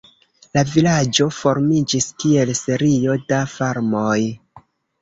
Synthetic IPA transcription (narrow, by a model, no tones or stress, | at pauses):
lavilad͡ʒo̞fo̞ɾmid͡ʒiskie̞lse̞ɾio̞dafaɾmoj